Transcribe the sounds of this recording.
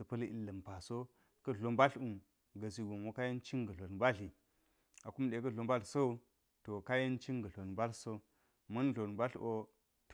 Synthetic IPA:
ə˨pɐ˦lḭ˦lːə˨mpa˨so˦ | kɐ˦ɮo˨mba˦ɬu˨ | ɡə˨s̬i˨ɡu˨mwo˦ka˦je˦nt͡ʃi˦ŋɡə˨ɬo˨n˨ba˦ɬi˨ | a˨ku˦mɗe˨kɐ˦ɮo˨mba˦ɬso˦˨ | to˨ka˦je˦nt͡ʃi˦ŋɡə˨ɬo˨n˨ba˦lso˦ | mɐ˦n˦ɮo˨n˨ba˦ɬʔo˦ | t

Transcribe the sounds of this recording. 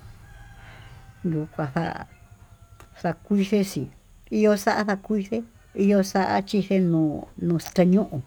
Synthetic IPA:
ju˨kʷã˧θa̰˧ʔ | sa˧kʷi˦θe˦si˨ | i˦jo˧sa˦ʔa˦ða˧kʷi˦θe˦ | i˧jo˦˧sa˦ʔa̰˦t͡ʃi˧θe˧nũː˧nũː˧st̪e˧ɲũ˦ʔũ˨

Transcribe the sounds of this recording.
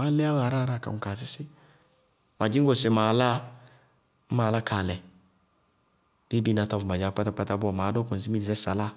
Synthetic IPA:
ma˦lɛ˦a˦wa˨ɾa˦ɾa˦˨ka̰˨ŋʊ˨ka˨s̬ɪ˦sɪ˦ | ma˨d͡ʒi˦ŋ˦ɡo˨sɪ˨ma˨la˦ | maː˨la˦kʰa˨lɛ˨ | de˦bi˦na˨tɔ˦fma˨d͡ʒa˨˦k͡pa˦ta˦k͡pa˦ta˦bʊ˦ɔ˨maː˨do˦kʊ˨n̩˨si˦i˦di˨sɛ˦sa˨la˦

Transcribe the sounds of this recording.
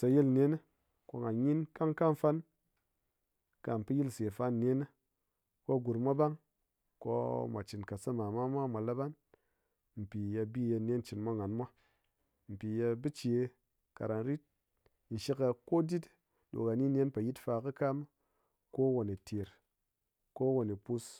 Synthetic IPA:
sa˧ji˦lnʲe˦n˦ | ko̰˦˧ŋa˨ɲi˦nka˦ŋka˦m˦fa˦n | ka˨m˨pɨ˦ji˦lse˨fa˦n˨nʲe˦n˦ | ko˦˨ɡu˨ɾmʷa˦ba˦ŋ | ko̰˦mʷa˨t͡ʃi˨nka˨sɨ˦ma˨mʷa˦mʷa˦mʷa˨la˦ba˦n | m̩˨pi˨ja˧bi˦je˧nʲ˦e˦t͡ʃi˨nmʷa˦ŋa˨nmʷa˦ | m̩˨pi˨ja˧bɨ˦t͡ʃe˨˧ | ka̰˨ɾa˨nɾi˦t̚ | n̩˨ʃi˦ka˧ko˦di˦t | ɗo̰˨ka˨ni˦nʲ˦e˦npa˨ji˦tfa˧kɨ˦ka˦m˦ | ko˦wo˨ni˨tʰe˨ɾ | ko˦wo˨ni˨pu˧s

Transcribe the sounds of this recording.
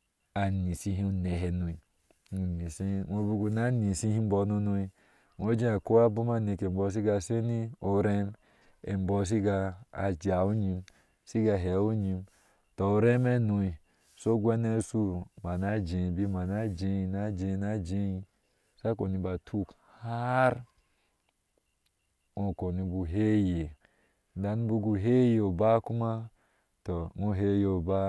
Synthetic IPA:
a˨ni˨si˦ɦĩ˦u˨ne˨ɦe˨nu˨i˨ | u˨ni˨si˦no˨˦bu˦ɡu˨na˦ni˨si˦hi˦m̩˦bɔ˧no˧no˧i˦ | no˦d͡ʒẽ˦a˨ko˦a˦bu˦ma˦˨ne˨ke˨m̩˨bɔ˧˦s̬i˦ɡa˨se˦ni˦o˨ɾe˦m | ḛ˨m˦bɔ˦s̬i˦ɡa˧a̰˨d͡ʒa˨o˦ɲi˧m | si˦ɡa˨ɦe˨˦o˦ɲi˧m | tɔ˨o˨ɾe˦me˦no˧˦i˨ | so˦ɡwɛ˦ne˦su˦ma˨na˦d͡ʒẽ˨bi˦ma˨na˦d͡ʒẽ˧na˦d͡ʒẽ˧˦na˦d͡ʒe˦ | sa˦ko˨ni˧˦ba˨tʰu˦k | ha˦ɾ | õ˨ko˨ni˧bu˨ɦe˦je˨ | n˨da˨n˦bu˧ɡu˧ɦe˦je˨o˨ba˦ku˦ma˦ | tɔ˨ŋu˦ɦe˦jo˨ba˦

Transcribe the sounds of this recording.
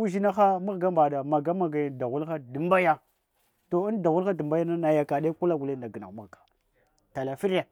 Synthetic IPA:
u˦ʒi˦na˦xa˦mu˦ɣɡa˦mba˨da˨ma˨ɡa˦ma˨ɡa˨ja˨da˨ɣu˦lxa˦di˨mba˦ja˦ | to˨i˦n˦da˨ɣu˦la˦də˨mba˦ja˦na˦na˨ja˨ka˨ɗa˦ku˦la˦ɡu˨le˦nda˨ɡə˨na˨mu˦ɣkḁ˨ | ta˨la˨fi˦ɾja˨

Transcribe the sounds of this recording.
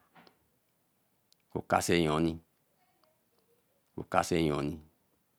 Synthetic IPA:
ko̰˨ka̰˧sɛ˧˨jɔ̃˨˦nĩ˧ | ko̰˨ka̰˧sɛ˧j̃ɔ̃˨˦nĩ˧

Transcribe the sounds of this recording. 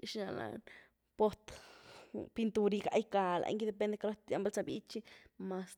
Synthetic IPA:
ʃi˧na˧la̰n | po˧t̪ | pint̪u˧ɾi˧kaʔjka˧lʔa̰˧jŋɡi˧d̪e˧p̬e˧nd̪e˧kaɾot̪a˦mba˦lt͡sa˧bḭ˦t͡ʃi˦ma˧s

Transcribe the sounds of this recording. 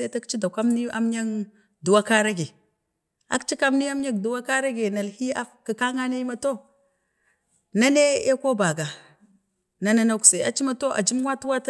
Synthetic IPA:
e˦ta˦kt͡ʃi˦da˨kʷa˦mni˦a̰˦m˦ɲa˦k | du˨wa˦ka˦ɾa˦ɡe˨ | a̰˦kt͡ʃi˦ka˦mni˦a˦m˦ɲa˦kdu˨wa˦ka˦ɾa˦ɡe˨na˨lhi˦a˦ka˨ka˦ŋa˦ne˦i˦ma˨to˦ | na˦ne˦e˦ko˦ba˨ɡa˨ | na˨na˦na˦kse˨a̰˨˦t͡ʃi˦ma˨to˦ʔa̰˨d͡ʒi˦m˦wa˦tu˦wa˦ta˦

